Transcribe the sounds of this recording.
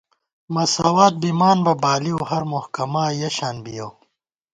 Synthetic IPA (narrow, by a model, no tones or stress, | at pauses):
mɐsaːwaːt̪̚bimaːnbɐbaːliuɦɐɾmohkɐmaːjɐɕaːnbijow